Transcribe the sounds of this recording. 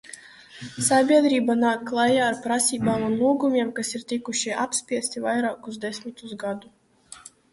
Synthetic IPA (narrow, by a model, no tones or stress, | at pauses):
sabʲiɛd̪ɾiːbanaːkːlˠajaːɾpɾasʲiːbaːmunluːɡumʲiɛmkasiɾt̪ikuʃia̰pspʲiɛst̪ivajɾaːkuzd̪ɛsʲmit̪uzɡad̪u